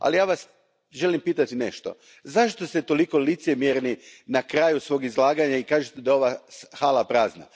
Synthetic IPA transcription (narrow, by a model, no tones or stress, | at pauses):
a̰lijaːʋas | ʒe̞limpiːt̪at̪inḛʃt̪o̞̰ | zaʃt̪ost̪et̪o̞liko̞lit̪semjeɾninakɾaːjusʋo̞ːɡizlˠaːɡaɲaikaːʒet̪ed̪ao̞ʋaxaːlapɾaːzna̰